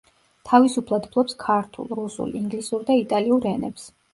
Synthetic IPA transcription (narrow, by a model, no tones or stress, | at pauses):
t̪ʰavisupʰlˠad̪pʰlˠɔpskʰaɾt̪ʰṵlˠɾusṵlˠiŋɡlisuɾd̪ait̪ʼaliuɾɛnɛps